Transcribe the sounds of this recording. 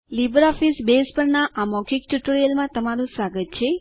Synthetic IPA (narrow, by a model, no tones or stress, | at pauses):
libəɾɔfisbespəɾnaʔamɔkʰiktuʈoɾijəlmãt̪əmaɾũsaɡət̪t͡ʃʰe